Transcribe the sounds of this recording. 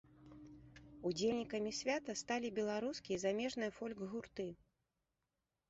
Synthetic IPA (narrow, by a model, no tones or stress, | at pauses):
ud͡zʲelʲnʲikɐmʲisʲvʲat̪ɐst̪alʲibʲɛlˠaɾuskʲijɛzamʲɛʐnɨjɐfɔlʲɡɣurt̪ɨ